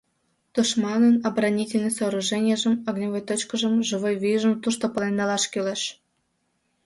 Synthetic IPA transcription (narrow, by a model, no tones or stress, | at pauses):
t̪uʃmɑnənɑbrɑnʲitʲelʲnəjsoːɾuʒɛnʲɪjeʒəmɑɡnʲovojt̪ot͡ɕkəʒəmʒɨβojvijʒəmt̪uʃt̪opəlend̪ɑlɑʃkyleʃ